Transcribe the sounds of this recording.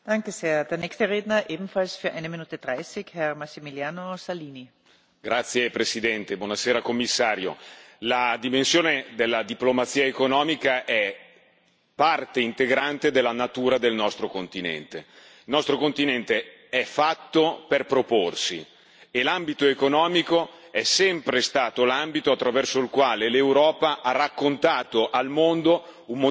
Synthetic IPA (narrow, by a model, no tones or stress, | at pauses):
d̥aŋkəseːɐdeːɐnɛçst̪əʁeːdnɐʔeːbm̩falsfyːɐʔaɪnəminuːt̪əd̥ʁaɪsɪçhɛʁmasimiljaːnosaliːni | ɡ̥ɾat̪sːjepɾesid̪ɛnt̪ebwɔnaseːɾakomːisːaːɾjo̰lad̪imensjoːned̪elːad̪iplomat̪siːaekonɔːmikaʔɛ | part̪eint̪eɡɾant̪ed̪elːanat̪uːɾad̪elnɔst̪ɾokont̪inɛ̰nt̪e | ilnɔst̪ɾokont̪inɛnt̪e | ɛfat̪ːoperpɾoporsḭ | elambit̪oekonɔːmikoɛsɛmpɾest̪aːt̪olambit̪oat̪ːɾavɛrsoilkwaːlelewɾɔːpaʔarakːont̪aːt̪oʔalmond̪o | ummo